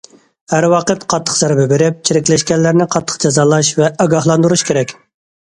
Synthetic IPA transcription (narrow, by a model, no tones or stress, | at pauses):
hæɾwɑːqət̪qʰɑt̪ʰːə̥qzɛɾbɛbeɾɪp̚t͡ʃʰiɾɪkʲlɛʃkʲɛnːɪɾnɪqʰɑt̪ʰːə̥qd͡ʒɑzɑːlˠɑʃvɛʔɑɡɑhlˠɑnd̪uɾuʃkʲʰeɾɛkʲ